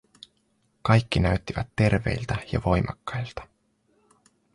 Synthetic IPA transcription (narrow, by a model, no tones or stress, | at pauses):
kɑjkːinæɥt̪ːiʋæt̪ːe̞rʋe̞̰jlt̪æjɑ̰ʋo̞jmɑkːɑjlt̪ɑ̥